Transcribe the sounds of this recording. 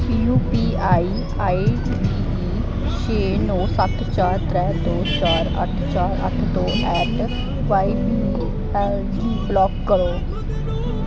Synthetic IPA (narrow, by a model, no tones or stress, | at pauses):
juːpiːaːiː | aːi | iː | ʃeːnõːsət̪t͡ʃaːɾt̪ɾɛ̃ːd̪oːt͡ʃaːɾə̰t̪ʰt͡ʃaːɾə̰t̪ʰt̪õːʔɛːʈ | ʋaːi | ɛld͡ʒiːblɔːkːəɾoː